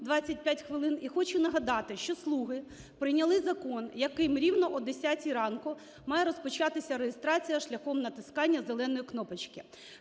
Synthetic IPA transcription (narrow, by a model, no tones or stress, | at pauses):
d̪ʋɑt͡sʲːɐt̚ʲpʲjatʲxʋɪlˠɪnixɔt͡ʃʊnɐɦɐd̪ɑt̪ɪʃt͡ʃɔslˠuɦɪ | pɾɪjnʲɐlˠɪzɐkɔnjɐkɪmɾʲiwnɔʔɔd̪esʲatʲiɾɑnkʊ | mɑjɛɾɔspɔt͡ʃɑt̪ɪsʲɐɾejɪst̪ɾɑt͡sʲijɐʃlʲɐxɔmnɐt̪ɪskɑnʲːɐzelˠɛnɔjiknɔpɐt͡ʃkɪ